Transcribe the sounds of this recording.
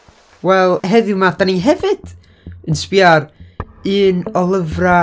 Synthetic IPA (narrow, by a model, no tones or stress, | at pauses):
wɛlˠɦɛðɨʊmadaniɦɛvɨd̥ | ənspiar | ɨːnɔlˠəvra